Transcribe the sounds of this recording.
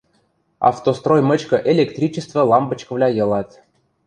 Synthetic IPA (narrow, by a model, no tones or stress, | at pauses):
ɑ̰ft̪ost̪rojmə̆t͡ɕkə̆ʔelʲekt̪rʲit͡ɕəst̪və̆lˠɑmbə̆t͡ɕkə̆vlʲɑjɤ̆lˠɑt̪